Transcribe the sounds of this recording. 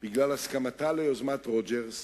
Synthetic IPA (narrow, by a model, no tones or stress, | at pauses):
b̥iɡlalaskamat̪aleozmat̪ʁod͡ʒeʁs